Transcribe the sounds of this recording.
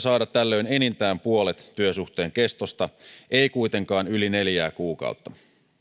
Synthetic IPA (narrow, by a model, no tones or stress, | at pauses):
sɑːdɑt̪t̪ːælːø̞inenint̪æːmpuolet̪ːyøsuht̪e̞ːŋke̞st̪ost̪ɑeikujt̪e̞ŋkɑːnyline̞ljæːkuːkɑ̰ut̪ːɑ